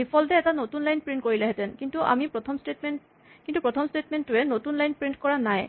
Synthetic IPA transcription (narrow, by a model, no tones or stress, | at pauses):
bipʰɔltɛːtanotunlajnpɹint̚koɹilɛɦɛtɛnkintuʔa̰mipɹɔt̪ʰɔmstetmen | kintupɹɔt̪ʰɔmstetmɛntʊɛnotunlajnpɹinkɔɹanaj